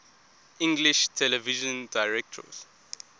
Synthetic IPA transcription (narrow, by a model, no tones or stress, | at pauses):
ʔĩŋɡliʃtʰɛlɛviʒə̃ndaɪɹɛk̚tʰɔ̰z̥